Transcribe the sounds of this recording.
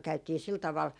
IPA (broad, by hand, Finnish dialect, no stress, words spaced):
kæytiː sil tɑʋɑl